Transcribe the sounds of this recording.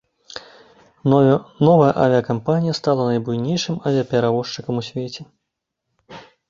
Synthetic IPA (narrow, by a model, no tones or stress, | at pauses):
nɔvɐjɐʔavʲijɐkampanʲijɐst̪alˠɐnɐjbujnʲejʂɨmɐvʲijɐpʲɛɾavɔʂt͡ʂɨkɐmusʲvʲet͡sʲɛ